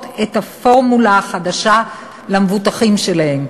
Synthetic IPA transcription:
tethafo̞ʁmulaːχadaʃa | lamevutaχimʃelahe̞m

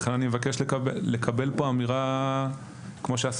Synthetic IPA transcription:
χenanimevakeʃlekaele̞kʰabe̞lpoamiʁa | kmoʃeas

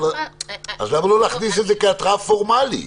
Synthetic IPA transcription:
azlamalolaχnis̬etzekat̪ʁafoʁmalḭ

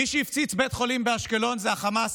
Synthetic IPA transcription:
iʃeift͡sit͡sbet̪χo̞limbeaʃkelo̞nzeaχamas

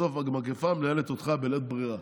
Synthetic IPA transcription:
ofamakefamneelet̪ot̪χabelet̪̚bʁiʁa

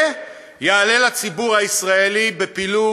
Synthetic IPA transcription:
jaːle̞lat͡sibuʁhaisʁae̞libe̞pilu

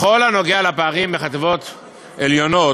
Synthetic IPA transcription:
χo̞lano̞ɡealapaːʁimbeχat̪evo̞t̪ | eljo̞no̞

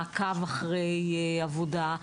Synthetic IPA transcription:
kavaχʁejavoda

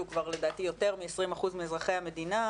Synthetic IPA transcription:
ukvaʁle̞d̪aːtijo̞t̪e̞ʁmiesʁimaχuzmiezʁaχe̞jhame̞dina

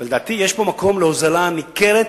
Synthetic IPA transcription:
veled̪aːt̪ijeʃpo̞mako̞mleozalanikeʁet̪

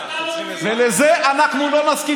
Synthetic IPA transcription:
velezeʔanaχnulo̞maski

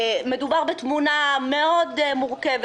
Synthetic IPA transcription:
me̞d̪ubaʁbet̪munameo̞d̪muʁkev

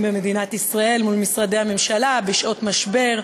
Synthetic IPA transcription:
bemed̪inat̪isʁae̞lmulmisʁad̪ejhame̞mʃalabeʃʔo̞t̪maʃbe̞ʁ

